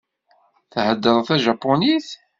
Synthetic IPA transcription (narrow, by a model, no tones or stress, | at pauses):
θhəd̪ːəðˤθæʒɑpːoniθ